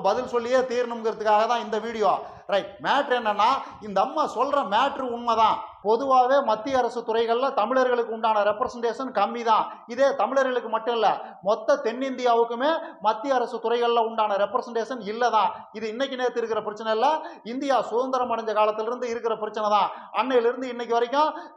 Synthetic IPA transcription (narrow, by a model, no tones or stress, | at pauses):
bɐðɪlsɔlːɪjeːt̪iːɾnɯmɡɪɾɐðɯkːaːɣɐt̪ãːɪnd̪ɐʋiːɽɪjoaː | ɾɐɪʈmaːʈɾɛnːɐnːaː | ɪnd̪ɐmːaːsɔlɾɐmaːʈrɯʊɳmɐðãːpɔðɯʋaːʋeːmɐt̪ːɪjɐɐɾɐsɯt̪ʊrɐɪɣɐɭlɐ̃t̪ɐmɪɭɐɾɣɐɭɯkːɯʊɳɖaːnɐɾɛpːɾɐsɐɳɖeːʂɐnkɐmːiðãːɪðeːt̪ɐmɪɭɐɾɣɐɭɯkːɯmɐʈːʊ̃ɛlːɐmɔt̪ːɐt̪ɛnːɪnd̪ɪjaːʋɯkːɯmeːmɐt̪ːɪjɐɐɾɐsɯt̪ʊrɐɪɣɐɭlãʊɳɖaːnɐɾɛpːɾɐsɐɳɖeːʂɐnɪlːɐt̪ãːɪðɯɪnːɛk̬ʲːɯneːɾɐt̪ːɪɾɯkːɪɾɐpɪɾɐt͡ʃːɐnɐɪlːɐ | ɪnd̪ɪjaːsʊðɐnd̪ɐɾɐmɐɽɐɲd͡ʒɐkaːlɐt̪ːɪlɪɾɯnd̪ɯɪɾɯkːɪɾɐpɪɾɐt͡ʃːɐnɛt̪ãː | ɐnːɐjɪlɪɾɯnd̪ɯɪnːɛk̬ʲːɯʋɐɾɪkʲːãː